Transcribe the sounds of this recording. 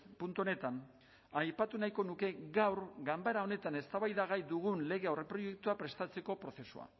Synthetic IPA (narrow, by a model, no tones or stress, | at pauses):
punt̪uo̞ne̞t̪an | ajpat̪unajko̞nuke̞ɣawɾɡambaɾao̞ne̞t̪ane̞st̪aβajðaɣ̞ajd̪uɣ̞unle̞ɣ̞e̞awrepɾo̞je̞k̚t̪uapɾe̞st̪at͡se̞ko̞pɾo̞θe̞sua̰